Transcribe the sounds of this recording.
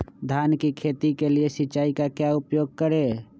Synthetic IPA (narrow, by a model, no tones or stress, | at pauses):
d̪ʱankikʰet̪ikeliesɪt͡ʃaːikakjaupjoːɡ̚kəɾe